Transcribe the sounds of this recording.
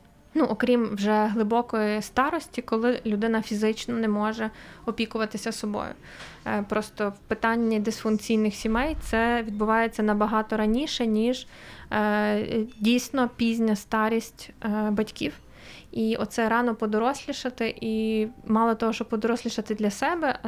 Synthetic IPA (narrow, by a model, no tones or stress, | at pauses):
nuʔɔkɾʲimwʒɛɦlˠɪbɔkɔjist̪ɑɾɔsʲtʲikɔlˠɪlʲʊd̪ɪnɐfʲizɪt͡ʃnɔnɛmɔʒɛɔpʲikʊʋɐt̪ɪsʲɐsɔbɔ̰jʊ̰ | pɾɔst̪ɔwpɪt̪ɑnʲːid̪ɪsfʊnkt͡sʲijnɪxsʲimɛjt̪sɛʋʲid̪̚bʊʋɑjet͡sʲːɐnɐbɐɦɑt̪ɔɾɐnʲiʃɛnʲiʒ | dʲijsʲnɔpʲizʲnʲɐst̪ɑɾʲisʲtʲbɐtʲkʲiw | iʔɔ̰t̪sɛɾɑnɔpɔd̪ɔɾɔsʲlʲiʃɐt̪ɪʔimɑlˠɔt̪ɔɦɔʃt͡ʃɔbpɔd̪ɔɾɔsʲlʲiʃɐt̪ɪd̪lʲɐsɛbɛ